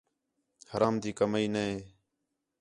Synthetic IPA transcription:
həɾaːmd̪iːkəmiːnəɦeː

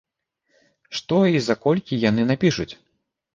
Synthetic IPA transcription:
ʂt̪ɔizakɔlʲkʲijan̪ɨnapʲiʂut͡sʲ

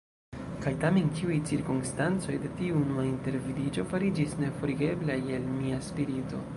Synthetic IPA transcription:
kajtame̞nkiujt͡siɾkumstant͡so̞jde̞tiunuainte̞ɾvilid͡ʒo̞faɾid͡ʒisne̞fo̞ɾiɡe̞blajelmiaspiɾito̞̰

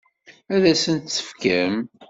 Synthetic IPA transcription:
æðæsənt̪t͡sːə̥fkæm

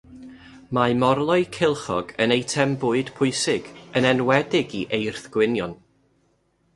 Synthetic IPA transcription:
maɨmɔrlˠɔɨkʰɪlˠχɔ̰ɡənejtʰɛmbʊɨd̥pʰʊɨsɪɡ̥ənɛnwɛdɪɡiʔejrθɡ̥wɪnjɔn

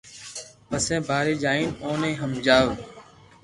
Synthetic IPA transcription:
pəsẽːbʱaːɾeːd͡ʒaːĩːnõːnẽːɦəmd͡ʒaːʋ

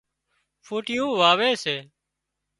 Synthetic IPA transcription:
fʰuːʈɪjũːʋaːʋeːseː

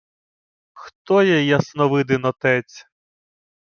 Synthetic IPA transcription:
xt̪ɔjɛjɐsnɔʋɪd̪ɪnɔt̪ɛt͡sʲ

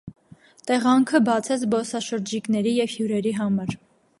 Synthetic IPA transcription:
t̪ɛʁɑŋkʰəbɑt͡sʰɛt͡sʰbɔsɑʃəɾd͡ʒiknɛɾijɛvhjuɾɛɾiɦɑmɑɾ

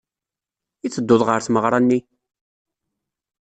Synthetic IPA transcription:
iθːəd̪ːʊðˤʁəɾθməʁɾˤɑnːi

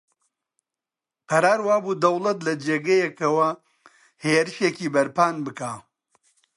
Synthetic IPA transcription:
pʰɐɾaːɾwaːbud̪ɐwlˠɐt̪lɐd͡ʒeːɡɐjekɐwɐ | heːɾɨʃeciːbɐɾpaːnbɨkaː

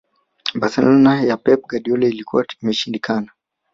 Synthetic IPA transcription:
baɾθɛlɔnajapɛp̚ɡaɗiɔlɛilikuwaimɛʃindikana

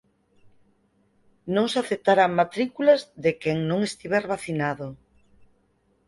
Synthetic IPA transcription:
nõŋsaθep̚t̪aɾamat̪ɾikulɐzðekeŋnõŋest̪iβɛɾβaθinaðo

